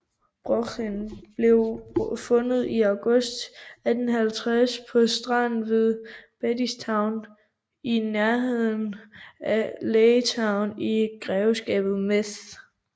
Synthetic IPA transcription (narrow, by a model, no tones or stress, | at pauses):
b̥ʁokʰinb̥le̝ʊfɔ̽nð̞̩ˠiɑ̈ʊɡ̥ɔ̽sd̥ædn̩ɦælt͡sʰʁaspʰɒ̽sd̥ʁɑn̩ʋe̝ðˠb̥æd̥ist͡sʰɑ̈ʊ̰n | inæɐɦe̝ð̰ˠn̩æleːət͡sʰɑ̈ʊniɡ̥ʁɛːʊsɡ̥ɛ̰ːb̥ð̞̩ˠmeθ